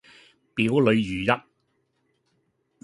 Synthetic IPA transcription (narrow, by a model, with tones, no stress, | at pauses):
piː˨˥wlɵ˨˧ɥjyː˨˩jɐ˦t̚